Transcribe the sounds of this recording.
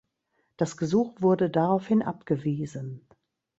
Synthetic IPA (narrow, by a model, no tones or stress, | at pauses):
d̥asɡ̥əzuːxv̥ʊɐdədaʁaʊfhɪnʔa̰pɡ̥əviːzən